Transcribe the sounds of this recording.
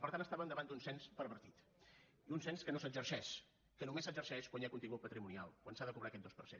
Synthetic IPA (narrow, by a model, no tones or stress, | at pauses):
pəɾt̪anəst̪aβənd̪əβand̪unsɛnspəɾβəɾt̪it̪ | iunsɛnskənosəd͡ʒəɾʃɛʃ | kənumesəd͡ʒəɾʃɛʃkwaɲakunt̪iŋɡut̪̚pət̪ɾimunialˠkwansaðəkuβɾakɛt̪̚d̪ospəɾsɛn